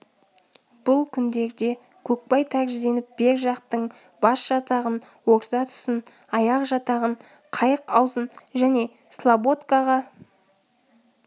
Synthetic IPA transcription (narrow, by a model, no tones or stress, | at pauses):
b̥ʊlˠkʲʰʏnd̪e̞ɾd̪e̞ | kʲʰɵk̚pɑjt̪ʰæɾʒɪd̪e̞nɪp̚be̞ɾʒɑqt̪əɴ | bɑsʒ̥ɑt̪ɑʁən | wo̞ɾzɑt̪ʰʏ̥sən | ɑjɑqʒɑt̪ɑʁəɴ | qʰɑjəqɑwzənʒæne̞ | slˠabot̪kaʁɑ